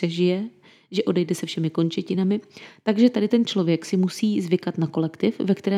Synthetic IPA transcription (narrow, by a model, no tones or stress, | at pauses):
ɛʒɪjɛ | ʒɛʔo̞dɛjdɛsɛfʃɛmɪko̞nt͡ʃɛcɪnamɪt̪aɡʒɛt̪adɪt̪ɛnt͡ʃlo̞vjɛksɪmusiːzvɪkat̪nako̞lɛkt̪ɪfvɛkt̪ɛɾɛː